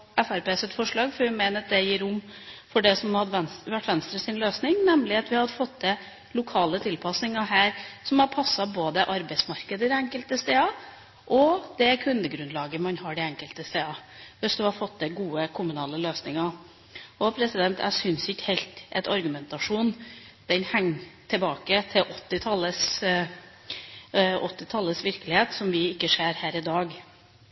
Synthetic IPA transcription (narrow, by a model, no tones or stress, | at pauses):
æfæɾpeːsɛt̪fɔʂɭɑːɡfɔɾʋɪmeɪnəd̪ɛjiːɾʊmfɔɖɛsɔmhɑd̪ʋɛnʋæʈːʋɛnst̪ɾəsɪnløːsnɪŋnɛmlɪɑt̪ʋɪhɑd̪əfɔt̪ːd̪ɛ | lʊkʰɑːlət̪ʰɪlpʰɑsnɪŋɑɦæːɾsɔmhɑpʰɑsːɑboːd̪əʔɑɾbæɪsmɑɾkəd̪əɪd̪ɛæŋkəlt̪əst̪eːɑ | ʔɔd̪̥ɛkʰʉnd̪əɡɾʉnd̪lɑːɡəmɑnhɑːɖɪæŋkəlt̪əst̪eːɑʋɛsd̪ʉhɑɾfɔt̪̚d̪ɛɡuːəkʰʊmʉnɑːləløːsnɪŋɑ | ɔpʰɾɛsɪd̪ɛnt̪æ̰ɡsʏnsɪkːhɛlt̪ʔɛ̰t̪ʰɑɾɡʉmɛnt̪ɑʂuːnd̪̥ɛnhæŋːt̪ʰɛbɑːkət̪ʰɪʔɔt̪ːɪt̪ʰɑlːəs | ɔt̪ːɪt̪ʰɑlːəsʋɪɾkəlɪheːt̪sɔmʋɪɪkːəʂeːɾhæːɾɪd̪ɑːɡ